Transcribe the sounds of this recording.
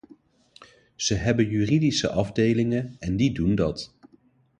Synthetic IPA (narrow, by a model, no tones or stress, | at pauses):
z̥əɦɛbənjyːridisə̰ʔɑvdejlɪŋənɛndidundɑt